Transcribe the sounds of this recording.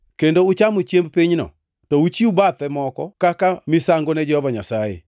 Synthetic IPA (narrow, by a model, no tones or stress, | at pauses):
kendoʊt͡ʃamot͡ʃjembpiɲnɔ̰ | tɔut͡ʃiubat̪ɛmɔkɔkakamɪsaŋɡonɛd͡ʒɛhɔvaɲasajḛ